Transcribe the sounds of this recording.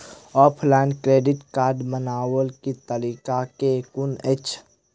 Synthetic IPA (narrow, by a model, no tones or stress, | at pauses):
ɔːpʰlaɪnɖkɾeːɖɪʈkaːɾɖmənaːwəlkit̪əliːkakekʊnət͡ʃʰ